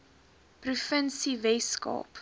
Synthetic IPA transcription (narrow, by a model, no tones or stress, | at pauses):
prufənsivɛskɑ̰ːp